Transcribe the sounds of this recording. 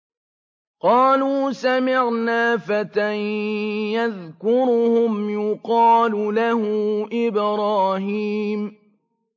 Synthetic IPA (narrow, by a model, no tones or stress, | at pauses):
qɑːluːsamɪʕnaːfat̪anjaðkʊɾʊhʊmjʊqɑːlʊlahʊʔɪbɾˤɑːhiːm